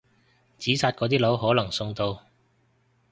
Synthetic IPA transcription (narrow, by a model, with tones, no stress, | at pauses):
t͡siː˨˥saː˧t̚kɔː˨˥t̪iː˥lo˨˥wɦɔː˨˥lɐ˨˩ŋsʊ˧ŋt̪o˧w